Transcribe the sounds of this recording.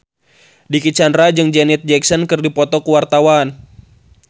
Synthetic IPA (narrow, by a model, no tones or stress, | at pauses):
dikit͡ʃandɾad͡ʒɨŋd͡ʒɛnɛt̪̚d͡ʒɛksɔnkɨrdipɔt̪ɔkuwart̪awan